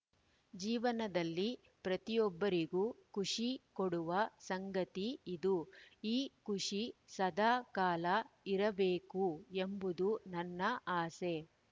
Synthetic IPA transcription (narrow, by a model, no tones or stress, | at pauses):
d͡ʒiːʋɐnɐd̪ɐlːi | pɾɐt̪ijɔbːɐɾiɡuːkʰuʂikoɽuʋɐsɐŋɡɐt̪iːd̪uiːkuʂisɐd̪ʱaːkaːlɐiɾɐbeːkue̞mbud̪unɐnːɐʔaːse̞